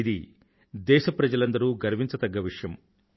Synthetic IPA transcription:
id̪i | d̪ɛːʃɐpɾɐd͡ʒɐlɐnd̪ɐɾuːɡɐɾʋiɲt͡ʃɐt̪ɐɡːɐʋiʂɐjɐm

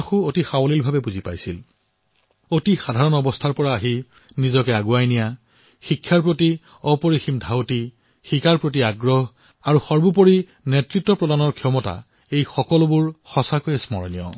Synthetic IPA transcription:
axuotixawlilbʱabɛbuzipa̰jsḭl | otixadʱaɹɔnɔbɔstʰaɹpɔɹaːɦi | nizɔkɛaɡuajnija | xikʰːjaɹpɹoti | ɔpoɹiximdʱawti | xikaɹpɹotiaɡɹɔɦ | aɹuxɔɹbupoɹi | nɛtɹitːɔpɹɔdanɔɹkʰjɔmɔta̰ | ejxɔkɔlʊbuɹxɔsakojsmɔ̰ɹnijɔ̰

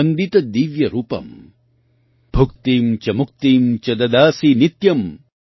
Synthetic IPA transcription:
ɐnd̪it̪ɐd̪iːʋjɐɾuːpɐ̰m | bʱuk̚t̪iːmt͡ʃɐmuk̚t̪iːmt͡ʃɐd̪ɐd̪aːsinit̪jɐm

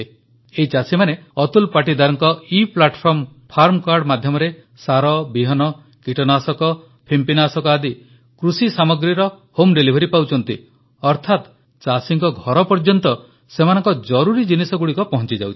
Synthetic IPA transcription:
eit͡ʃasimaneɔt̪ulpaʈ̬id̪aɾɔŋkɔiplaʈpʰɔɾmpʰaɾmkaɾɖmad̪ʱjɔmɔɾe | saɾɔbiɦɔnɔ | kiʈɔnasɔkɔ | pʰimpinasɔkɔad̪i | kɾusisamɔɡɾiɾɔ | homɖelibʱɔɾipawt͡ʃʰɔnt̪i | ɔɾt̪ʰat̪ | t͡ʃasiŋkɔɡʱɔɾɔpɔɾd͡ʒɔnt̪ɔ | semanɔŋkɔd͡ʒɔɾuɾid͡ʒinisɔɡuɽikɔpɔɦɔ̃nt͡ʃid͡ʒawt͡ʃʰi̥

